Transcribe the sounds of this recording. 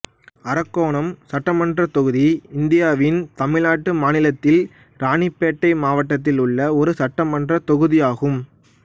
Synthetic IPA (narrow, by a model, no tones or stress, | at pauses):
ɐɾɐkːoːɳɐmsɐʈːɐmɐndrɐt̪ɔɣɯðiɪnd̪ɪjaːʋɪnt̪ɐmɪlaːʈːɯmaːnɪlɐt̪ːɪl | ɾaːɳɪpːeːʈːɐɪmaːʋɐʈːɐt̪ːɪlʊɭːɐɔɾɯsɐʈːɐmɐndrɐt̪ɔɣɯðɪjaːɣɯm